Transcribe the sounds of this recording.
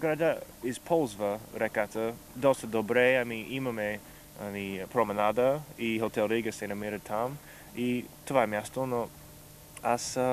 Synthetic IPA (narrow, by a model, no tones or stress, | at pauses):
ɡ̥ɾadaɪzpʰolzvəɾɛkat̪ə | d̪ostəd̪obɾeamiʔiməme | anipʰɾomɛnad̪əihot̪ʰɛlˠɾiɡəsenɐmiɾət̪ʰam | it̪ʰovamjast̪ono | as